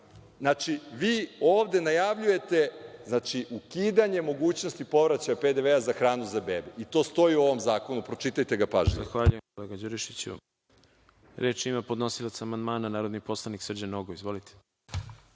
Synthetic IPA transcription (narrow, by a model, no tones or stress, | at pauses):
znat͡ʃiʋiːoːʋd̪e̞najaʋʎuje̞t̪e̞znat͡ʃiʔukiːd̪aɲe̞mo̞ɡuːt͡ɕno̞st̪ipo̞ʋɾat͡ɕajape̞d̪e̞ʋeazaxɾaːnuzabḛbeit̪o̞ːst̪o̞jiuo̞ʋo̞mzaːko̞nupɾo̞t͡ʃit̪ajt̪e̞ɡapaʒzaxʋaːʎujemkoleːɡad͡ʑuɾiʃit͡ɕṵ | ɾeːt͡ʃimapo̞d̪no̞silˠat̪saamand̪maːnanaːɾod̪nipo̞slˠaniksr̩d͡ʑanoɡoizʋo̞lit̪ʰe̥